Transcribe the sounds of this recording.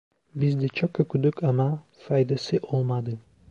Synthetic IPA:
bizd̪ɛt͡ʃʰok̚kʰːøkʰyd̪ykama | fajd̪asɯʔo̞lˠmad̪ɯ

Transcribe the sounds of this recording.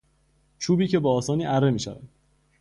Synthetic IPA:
t͡ʃʰuːbiːce̞beɒːsɒːniːʔærːe̞miːʃæ̰væ̰d̪̥

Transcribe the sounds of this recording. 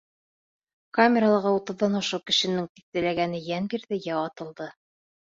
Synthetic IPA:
kamʲeɾalˠɤʁɑut̪ɤ̆ðːɑnŏʃɤkɘ̆ʃɘ̆nɘŋt̪i̥θ̚t̪ɘ̆læɡænɘjænbiɾðɘjæwɑt̪ɤ̆lˠd̪ɤ

